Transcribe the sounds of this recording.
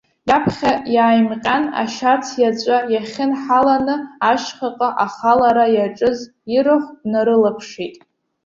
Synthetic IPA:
japʰχʲajaːjmqʲʼana̰ʃat͡sʰjat͡ʃʷʼajaχʲɪnħalanɨaʃχaqʼaʔaχalaɾajaʈ͡ʂʼɨz | iɾɨχʷnaɾɨlapʰʂitʼ

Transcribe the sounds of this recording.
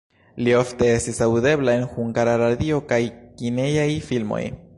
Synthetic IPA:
lio̞fte̞e̞stisawd̪e̞blae̞nxuŋɡaɾaɾad̪io̞kajkinejajfilmo̞̰j

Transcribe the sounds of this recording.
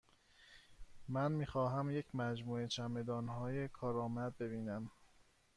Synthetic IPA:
mænmiːxɒːɦæmjecʰmæd͡ʒmuːe̞t͡ʃʰæme̞d̪ɒːnɦɒːjekʰɒːɾɒːmæd̪̚be̞biːnæm

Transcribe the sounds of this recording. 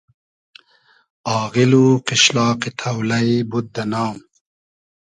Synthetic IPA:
ɑːɣiluqɪɕlɑːqit̪ʰawlɐibud̪̚d̪ɐnɑːm

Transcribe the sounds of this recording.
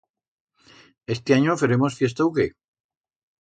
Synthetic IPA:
est̪eaɲofeɾemosfje̞s̬t̪awke

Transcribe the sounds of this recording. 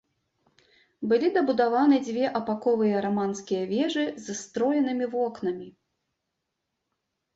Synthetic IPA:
bɨlʲid̪ɐbud̪avanɨd͡zʲvʲɛʔɐpakɔvɨjɐɾamanskʲijɐvʲɛʐɨzɨst̪ɾɔjɛnɨmʲivɔknɐmʲi

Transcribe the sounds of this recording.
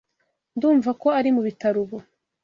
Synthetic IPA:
nduːɱvako̞aɾimuβitaɾuβo

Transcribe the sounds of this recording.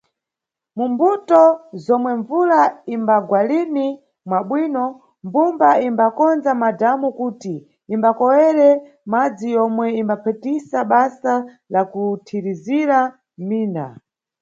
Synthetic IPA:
mumbutɔzɔmwɛɱvulaimbaɡwalini | mwaɓwinɔ | mbumbaimbakɔnd͡zamadamukuːtiː | mbakɔwɛɾɛ | mad͡zijɔmwɛimbapʰɛtisaɓasa | lakutʰiɾiziɾa | miːna̰

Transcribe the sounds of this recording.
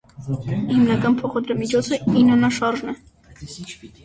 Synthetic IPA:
himnɑkɑnpʰɔχɑd̪ɾɑmit͡ʃʰɔt͡sʰəinɑnɑʃɑɾʒnɛ

